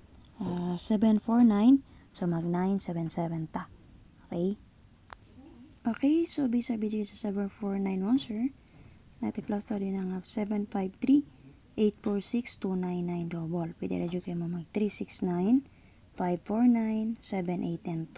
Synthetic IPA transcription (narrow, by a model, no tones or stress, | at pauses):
asɛbɛnfoɹnajnsomɐɡ̚najnsɛvɛnsɛvɛnt̪a | ʔokɛj | ʔokɛjsobisabid͡ʒisɐsɛvɛnfoɹnajnwɔnsɛɹ | na̰t̪iplast̪ad̪onaŋapsɛvɛnfajbt̪ɾi | ʔejt̪̚foɹsikst̪unajnːajnd̪obolpid̪ɛ̰lɛd͡ʒukejmomɐɡ̚t̪ɾisiksnajn | fajbfoɹnajnsɛbɛnʔejt̪ːɛnt̪